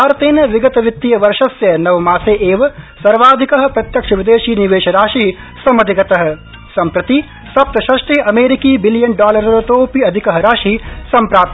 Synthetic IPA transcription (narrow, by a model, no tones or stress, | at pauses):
bʱaːɾɐt̪eːnɐʋiɡɐt̪ɐʋit̪ːijɐʋɐɾʂɐsjɐnɐʋɐmaːseːʔeːʋɐsɐɾʋaːd̪ʱikɐɦɐ̆pɾɐt̪jɐkʂɐʋid̪eːʃiːniʋeːʃɐɾaːʃiː | sɐmɐd̪ʱiɡɐt̪ɐɦɐ̆ | sɐmpɾɐt̪i | sɐp̚t̪ɐʃɐʂʈeːʔɐmeːɾikiːbiljɐnɖaːlɐɾsɐɾɐt̪oːpiɐd̪ʱikɐɦɐɾaːʃiːsɐmpɾaːp̚t̪